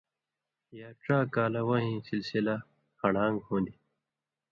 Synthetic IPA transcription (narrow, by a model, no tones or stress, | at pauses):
jaːʈ͡ʂaːkaːlɐwʌ̃ɦĩːsilsila | xɐɽaːŋɡhõːnd̪i